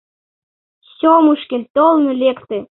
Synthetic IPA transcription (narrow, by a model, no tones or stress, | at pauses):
ɕomuʃkĕlʲt̪olmylekt̪ĕ